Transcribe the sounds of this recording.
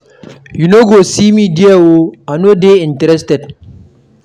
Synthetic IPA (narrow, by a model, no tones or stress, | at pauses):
junoɡosimidiɛwoanodeɪ̃ntɾɛstɛd